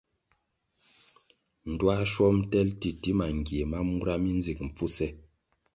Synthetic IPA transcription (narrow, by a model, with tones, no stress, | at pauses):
n̩˨dwa˦ʃwɔ˦mtɛ˦lti˨ti˦ma˨ŋ˨ɡje˨ma˦mu˦ɾa˦mi˦n˦zi˨k̚m̩˨p͡fu˦sɛ˦